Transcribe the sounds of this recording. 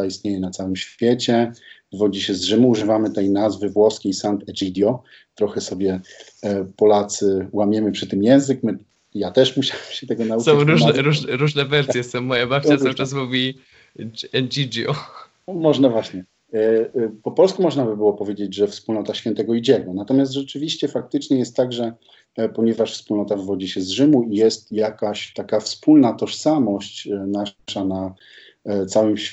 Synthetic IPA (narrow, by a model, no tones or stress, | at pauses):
aist̪ɲejɛnat̪sawɘmɕfʲjet͡ɕɛ | vɔd͡ʑiɕɛzʐɘmuːʐɘvamɘt̪ɛjnazvɘvwɔskʲejsant̪ɛʐid̪ʲjɔ | t̪ɾɔxɛsɔbʲjɛ | pɔlat̪sɘwamʲjɛmɘpʂɘt̪ɘmjɛw̃zɘkmɘ | jat̪ɛʂmuɕawɘmɕɛt̪ɛɡɔnausɔ̃ɾuʐnɛɾuʐnɛɾuʐnɛvɛɾsʲjɛsɔ̃w̃mːɔjabap̪̚ʲat̪awɘʈ͡ʂasmuvʲi | ɛnd͡ʒid͡ʒjɔ | mɔʐnavwaɕɲɛ | pɔpɔlskumɔʐnabɘbɘwɔpɔvjed͡ʑed͡ʑʐɛfspulnɔt̪aɕfʲjɛnt̪ɛɡɔid͡ʑɛɡɛnat̪ɔmʲjast̪ʐɛt͡ʂɘvʲiɕt͡ɕɛfak̚t̪ɘt͡ʂɲɛjɛst̪ːaɡʐɛ | pɔɲɛvaʂfspulnɔt̪avvɔd͡ʑiɕɛzʐɘmuijɛst̪jakaɕt̪akafspulnat̪ɔʂsamɔɕt͡ɕnaʂana | t̪sawɘmɕ